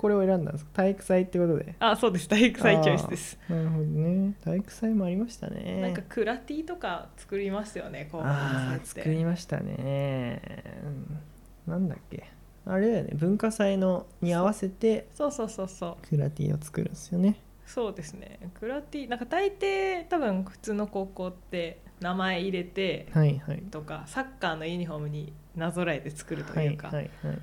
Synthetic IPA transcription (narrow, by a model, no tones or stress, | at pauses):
ko̞ɾe̞oe̞ɾãnd̪ã̰nes̬kḁt̪aikɯ̟̥sait̪ːeko̞t̪o̞d̪e̞̰asoːd̪esɨ̥t̪aikɯ̟sait͡ɕosɨd̪esɨ̥naɾɯ̟ɦo̞d̪one̞t̪aikɯ̟̥saimo̞aɾʲimaɕi̥t̪a̰nḛãŋkakɯ̟ɾat̪ʲiːt̪o̞kat͡sɨ̥kɯ̟ɾʲimasɨjo̞̰ne̞koːaat͡sɨ̥ekɯ̟ɾʲimaɕi̥t̪a̰ne̞̰ | ɯ̃ɴ | nãnd̪a̰kːe̞̰ | aɾe̞d̪ajo̰ne̞̰bɯ̟̃ŋkasaino̞ɲ̟iaβase̞t̪e̞so̞ːso̞ːso̞ːso̞ːkʰɯ̟ɾat̪ʲḭːo̞̰t͡sɨ̥kɯ̟ɾɯ̟̃nd̪esjone̞ | so̞ːd̪e̞sɨne̞̰kɯ̟ɾat̪ʲiːnãŋkat̪ait̪eːt̪abɯ̟̃ŋɸɯ̟̥t͡sɨːno̞ko̞ːko̞ːt̪ːe̞namae̞iɾe̞t̪e̞haihait̪o̞kasakːaːno̞iiɲ̟iɦo̞mɯ̟ɲ̟i | nazo̞ɾaet̪e̞t͡sɨ̥kɯ̟ɾɯ̟t̪o̞̰ajɯ̟ka̰haihai